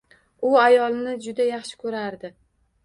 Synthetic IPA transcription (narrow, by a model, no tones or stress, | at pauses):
ʊajɒlˠnɪd͡ʒʊd̪ajɑχʃɪ̥kʰɵɾaɾd̪ɪ